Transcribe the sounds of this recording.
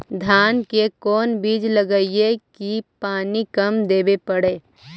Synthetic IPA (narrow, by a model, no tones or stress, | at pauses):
d̪ʱaːnkekɔːnbiːd͡ʒləɡəiekipaːnikəmd̪eːbepəɽeː